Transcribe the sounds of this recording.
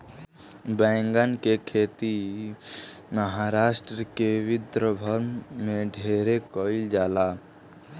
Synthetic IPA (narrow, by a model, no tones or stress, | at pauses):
bɛ̃ːŋɡənkekʰeːt̪i | məɦaɾaːʃʈɾəkewɪd̪ɾəbʱəɾmmẽɖʱeːɾekɔɪld͡ʒaːlaː